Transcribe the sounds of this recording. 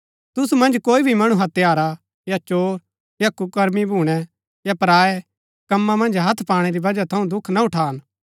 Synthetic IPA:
t̪ʊsumɐ̃nd͡ʒkoːibʱimɐɽ̃uɦɐt̪jaːɾa | jat͡ʃoːɾ | jakʊkɐɾmibʱuːɽ̃ɛ | japɾaːɛ | kɐmːamɐ̃nd͡ʒɦɐt̪ʰpaːɽ̃ɛɾibɐd͡ʒat̪ʰɐũd̪ʊkʰnaʊʈʰaːn

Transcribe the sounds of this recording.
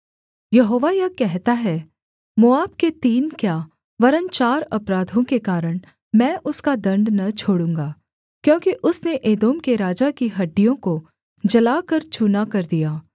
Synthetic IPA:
jɐɦoːʋajɐkɛɦt̪aɦɛ | moaːbket̪iːnkjaː | ʋɐɾənt͡ʃaːɾɐpɾaːd̪ʱõkekaːɾəɽ̃ | mɛ̃ːʔʊskad̪ɐ̃ɳɖnɐt͡ʃʰoːɽũːŋɡaː | kjõːkiʔʊsneʔeːd̪oːmkeɾaːd͡ʒakiɦɐɖːijõko | d͡ʒɐlaːkɐɾt͡ʃʊnakɐɾd̪ijaː

